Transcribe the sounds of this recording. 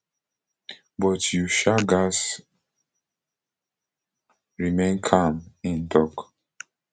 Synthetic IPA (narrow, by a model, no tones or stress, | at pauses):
bɔtjuʃaɡas | ɹimẽnkʰãmĩndɔk